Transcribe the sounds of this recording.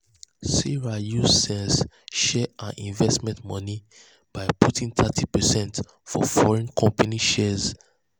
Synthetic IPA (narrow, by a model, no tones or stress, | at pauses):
siɹajusɛ̃ns | ʃɛãnʔĩnvɛstmɛ̃ntmɔ̃ni | b̥aɪpʰutʰĩŋt̪ʰatʰipɛsɛ̃nt | fɔ̰fɔɹɛ̃nkʰɔ̃mpaniʃɛz